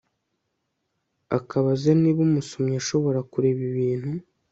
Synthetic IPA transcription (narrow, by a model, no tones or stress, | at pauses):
a̰kaβazeniβumusomaʃo̞βo̞ɾakuɾe̞βiβiːn̥hu